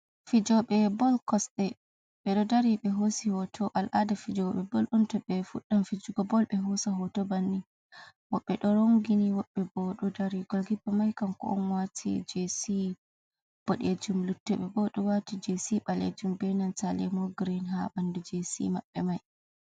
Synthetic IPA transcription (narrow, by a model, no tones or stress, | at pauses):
fid͡ʒɔɓɛbɔlkɔsɗɛ | ɓɛɗɔdaɾiɓɛɦosihɔtʰɔʔalʔadɛfid͡ʒɔɓɛbɔlʔɔntɔɓɛfuɗːamfid͡ʒuɡɔbɔlɓɛɦɔsaɦɔtɔbanːi | wɔɓːɛɗɔɾoŋɡiniwɔɓːɛbɔɗɔdaɾiɡɔlɡibːamajkamkɔ̰ʔɔnwatʰḭd͡ʒesi | b̥oɗed͡ʒumlutːɛɓɛbɔɗɔwatid͡ʒesiɓalḛd͡ʒumbɛnansalɛ̰mɔɡɾinɦa̰ɓandud͡ʒesḭmaɓːɛmaj